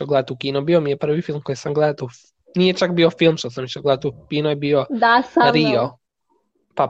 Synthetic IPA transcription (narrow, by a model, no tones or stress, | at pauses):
ɔɡlɛt̪ukʲinɔbʲiwɔmʲiɛpaɾvʲifilmkɔjsaŋɡlɛt̪uf | nʲiɛt͡ʃakbʲiwɔfʲilmʂat̪samʲit͡ʃɔɡlɛt̪ufkʲinɔibʲiwɔd̪asaɾiɔ | pa